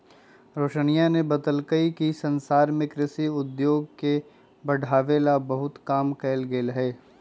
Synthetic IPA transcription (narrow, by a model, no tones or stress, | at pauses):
ɾoːʃəñijanebɐd̪əlkəikisɐnsaːɾmẽkɾɪsiʊd̪joːɡ̚ke | bɐɽʱaːʋelabɐɦʊt̪kaːmkɛːɪlɡeːlɦeː